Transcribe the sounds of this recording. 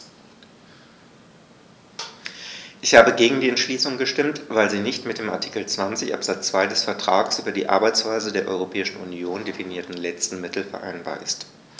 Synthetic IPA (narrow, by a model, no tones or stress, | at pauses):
ʔɪçhaːbəɡeːɡŋ̩diːɛntʃliːsʊŋɡəʃtɪmtv̥aɪlziːnɪçtmɪt̚d̥eːmaɐtʰi̥kl̩t͡sv̥ant͡sɪçʔa̰pz̥at͡st͡sv̥aɪdɛsfɛɐtʁ̥aːksʔyːbɐdiːʔa̰ɐbaɪt͡sv̥aɪzədeːɐʔɔ̰ʏʁopʰɛːɪʃn̩ʔṵnjoːndefiniːɐtn̩lɛt͡stn̩mɪtl̩fɛɐʔa̰ɪnba̰ːɐʔɪst